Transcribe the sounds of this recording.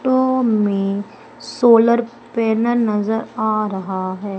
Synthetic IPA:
ʈomẽ | soːləɾ | pɛːnəɾnɐzəɾaːɾɐɦaɦɛː

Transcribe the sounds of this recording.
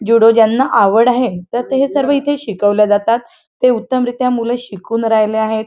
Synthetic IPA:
d͡ʑuɽod͡ʑjanːaʔaʋəɽaɦet̪əɾt̪eɦesəɾʋəit̪ʰeɕikəʋljad͡zat̪at̪ː | eut̪ːəmɾit̪jamuleɕikuːnɾajleaɦet̪

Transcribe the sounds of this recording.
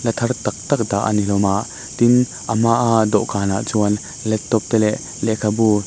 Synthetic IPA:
lɐt̪ʰɐɾt̪ɐk̚t̪ɐk̚d̪a̰ʔɐ̰nilɔmaʔ | t̪in | ʔɐmaʔad̪ɔʔkaːnaʔt͡suɐn | lɛtt̪ːɔp̚t̪ɛlɛʔ | lɛʔkʰɐbu

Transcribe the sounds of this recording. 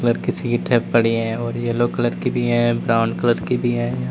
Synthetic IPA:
ələɾkisiːʈʰɛppɐɽ̤iɦɛ̃ːɔːɾjelokələɾkibʱiɦɛ̃bɾaːʊnkələɾkibʱiɦɛ̃ːja

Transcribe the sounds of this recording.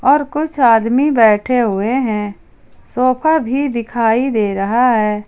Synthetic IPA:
ɔːɾkʊt͡ʃʰaːd̪mibɛːʈʰeɦʊeɦɛ̃ | soːpʰabʱid̪ɪkʰaːid̪eːɾɐɦaɦɛː

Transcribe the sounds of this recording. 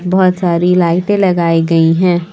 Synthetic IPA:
bɐɦʊt̪saːɾilaːɪt̪ẽlɐɡaːiɡɐiɦɛ̃ː

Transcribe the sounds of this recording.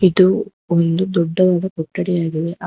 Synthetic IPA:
id̪u | ond̪ud̪ɔɖːɐʋaːd̪ɐkɔʈːɐɽɛjaːɡid̪e̞ʔ

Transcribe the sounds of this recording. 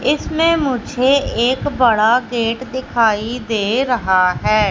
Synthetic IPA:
ɪsmẽːmʊd͡ʒʱeːɪːkbəɽaːɡeːʈd̪ɪkʰaːiːd̪eːɾəɦaːɦɛː

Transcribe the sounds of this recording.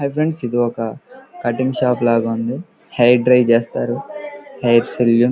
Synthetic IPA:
ɐbɾeɳɖsid̪iɔkɐkɐʈiŋʃaːplaːɡɐund̪i | hɐjɖɾɐjt͡ʃeːst̪aːɾuhɐjʈseljun

